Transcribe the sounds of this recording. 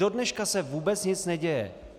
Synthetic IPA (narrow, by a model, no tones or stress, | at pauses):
odnɛʃkasɛvuːbɛt͡sɲɪt͡snɛɟɛjɛ̰